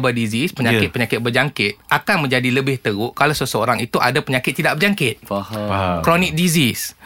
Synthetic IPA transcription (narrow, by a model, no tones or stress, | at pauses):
bədizispəɲakɪt̪̚pəɲakɪt̪̚bəd͡ʒaŋkɪt̪̚ʔakanmə̃ɲd͡ʒadiləbɪht̪əɣuʔkalawsəsəoɾaŋit̪uʔadapəɲakɪt̪ːidaʔ̚bərd͡ʒaŋkɪt̪̚ | kɾonik̚dizis